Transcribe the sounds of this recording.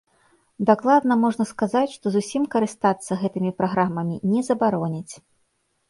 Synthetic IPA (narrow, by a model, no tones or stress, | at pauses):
d̪aklˠad̪nɐmɔʐnɐskazat͡sʲʂt̪ɔzusʲimkɐɾɨst̪at̪sːɐɣɛt̪ɨmʲipɾaɣɾamɐmʲinʲɛzɐbaɾɔnʲit͡sʲ